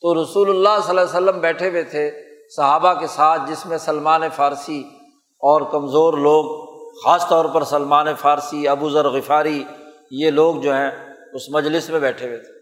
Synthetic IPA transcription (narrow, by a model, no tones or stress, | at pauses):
t̪oːɾɐsuːlʊlːasɐlaːsəlːəmbɛːʈʰewet̪ʰesɐɦaːbakesaːt̪̚ʰd͡ʒɪsmẽsɐlmaːnefaːɾsi | ɔːɾkɐmzoːɾloːɡxaːst̪ɔːɾpɐɾsɐlmaːnefaːɾsiɐbuzəɾɣɪfaːɾi | jeloːɡ̚d͡ʒoːɦɛ̃ | ʊsmɐd͡ʒlɪsmẽbɛːʈʰewet̪ʰe̥ː